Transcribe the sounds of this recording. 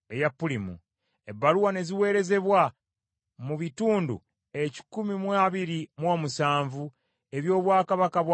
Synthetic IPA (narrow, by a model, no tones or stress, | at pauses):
ejapːulimṵ | e̞bːaluwane̞ziwe̞ːɾe̞ze̞βwa | muβituːndṵ | e̞ci̥kumimwaːβiɾimwo̞ːmusaːɱvu | e̞βjo̞ːβwaːkaβakaβw